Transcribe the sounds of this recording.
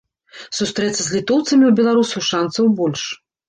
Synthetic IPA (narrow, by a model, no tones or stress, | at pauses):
sust̪ɾɛt̪sːɐzʲlʲit̪ɔwt̪sɐmʲiwbʲɛlˠaɾusuʂansɐwbɔlʲʂ